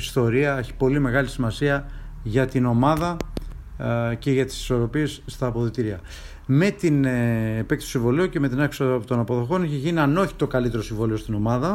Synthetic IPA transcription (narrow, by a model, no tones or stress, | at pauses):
ist̪o̞ɾiɐeçi̥po̞lime̞ɣɐlisimɐsiɐ | ʝɐt̪ino̞mɐðɐ | ce̞ʝɐt̪i̥si̥so̞ɾo̞pie̞sːt̪ɐːpo̞ðit̪iɾiɐ | me̞t̪inːpek̚t̪t̪o̥siɱvo̞lioce̞me̞t̪inɐkst̪o̞nɐpo̞ðo̞xo̞neçeʝiniɐno̞çi̥t̪o̞kɐlit̪e̞ɾo̞siɱvo̞lio̞st̪ino̞mɐðɐ